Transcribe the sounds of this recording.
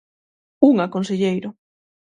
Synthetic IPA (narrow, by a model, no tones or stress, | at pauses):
uŋakonseʎejɾʊ